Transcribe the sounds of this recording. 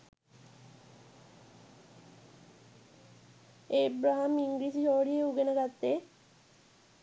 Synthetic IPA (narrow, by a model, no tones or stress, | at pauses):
ebɾaɦamiŋɡɾid͡ʑiʃɔɦoɽieuɡenaɾat̪ːe